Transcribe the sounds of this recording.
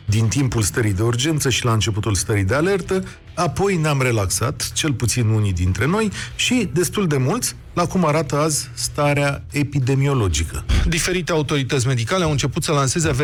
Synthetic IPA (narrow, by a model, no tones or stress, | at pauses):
d̪int̪impulst̪əɾijd̪e̞urd͡ʒe̞nt̪səʃilaɨnt͡ʃe̞put̪ulst̪əɾid̪e̞ale̞rt̪ə | apo̞jneamre̞laksa̰t̪t͡ʃe̞lput̪sinunid̪int̪ɾe̞no̞jʃid̪e̞st̪uld̪e̞mult̪sʲ | lakumaɾat̪əazst̪aɾeae̞pid̪e̞mio̞lo̞d͡ʒikəd̪ife̞ɾit̪e̞aut̪o̞ɾit̪ət̪sʲme̞d̪ikaleawɨnt͡ʃe̞put̪səlanse̞zeave